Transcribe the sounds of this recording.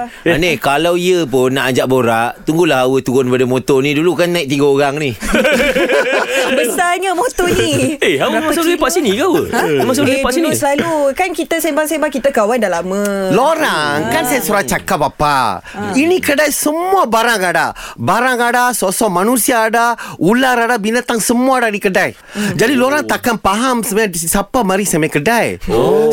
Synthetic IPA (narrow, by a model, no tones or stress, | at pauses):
anekalawiəp̬ʊnːaʔaɲd͡ʒaʔboɾaʔt̪uŋɡulahawət̪uɡʊnpadamot̪ɔnĩdulukanːaiʔ̚t̪iɡaoɾaŋni | bəsaɲamot̪ɔnieɦawəmasalɡipaʔsinĩɡawə̰mas̬apaʔsinĩslalukankit̪asembaŋsebakit̪akawandalaməloɾaŋkansajasuɾat͡ʃakapapa̰ | inikədajsəmuabaɾaŋada̰baɾaŋadasosɔmanusiaːdaulaɾadabinat̪aŋsəmuadanikədaj | d͡ʒadiloɾaŋt̪akanpaɦamsəmaasapamaɾisamakədaj